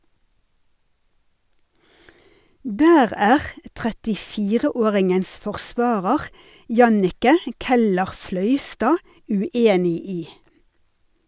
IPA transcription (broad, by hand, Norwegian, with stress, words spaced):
ˈdæːʁ ˈæːʁ ə tʁɛtɪˈfiːʁəˌoːʁɪŋəns fɔʁˈsʋɑːʁəʁ ˈjɑnɪkə ˌkɛləʁˈflœʏstɑː ʉˈeːnɪ ˈiː